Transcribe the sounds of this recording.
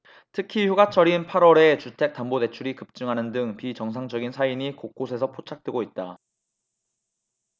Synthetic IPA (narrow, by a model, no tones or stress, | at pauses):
tʰɯkʰiçjuɡat͡ɕʰʌɾinpʰaɾwʌɾe̞t͡ɕutʰe̞k̚t͈ambode̞t͡ɕʰuɾikɯp̚t͡ɕ͈ɯŋɦanɯndɯŋpit͡ɕʌŋs̬ʰaŋd͡ʑʌɡinsʰaiɲikok̚k͈osʰe̞s̬ʰʌpʰot͡ɕʰak̚t͈we̞ɡoit̚t͈a